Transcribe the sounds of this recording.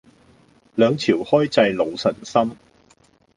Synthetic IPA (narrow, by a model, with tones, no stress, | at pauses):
lœː˨˧ŋt͡sʰiː˨˩whɔː˥jt͡sɐ˧jlo˨˧wsɐ˨˩nsɐ˥m